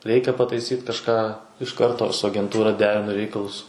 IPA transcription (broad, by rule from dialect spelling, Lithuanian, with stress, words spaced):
ˈrʲɛɪkʲɛ pɐtɐɪˈsʲiːt kɐʃˈkɑː ɪʃ ˈkɐrtoː sʊ ɐɡʲɛnˈtuːrɐ ˈdʲæːrʲɪnʊ ˈrʲɛɪkɐlˠʊs